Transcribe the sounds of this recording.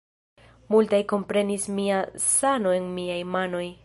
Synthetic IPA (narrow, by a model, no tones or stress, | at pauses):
multajko̞mpɾe̞nismiasano̞e̞nmiajmano̞j